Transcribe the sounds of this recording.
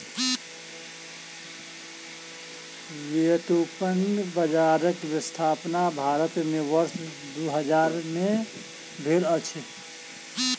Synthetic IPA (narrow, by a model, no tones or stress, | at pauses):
jet̪upənbəd͡ʒaɾəkbɪst̪ʰaːpnabʱaːɾət̪meʋəɾs | d̪uɦəd͡ʒaɾme | bʱelət͡ʃʰ